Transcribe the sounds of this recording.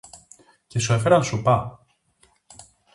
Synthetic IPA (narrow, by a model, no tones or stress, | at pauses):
cesuefeɾɐnsupɐ